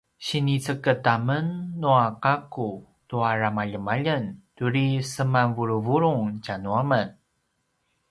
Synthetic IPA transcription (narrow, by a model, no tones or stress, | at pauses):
ɕinit͡səkətamənːuaqaku | tuaɾamaʎəmaʎəntuɾisəmanvuɾuvuɾuŋt͡ɕanuamən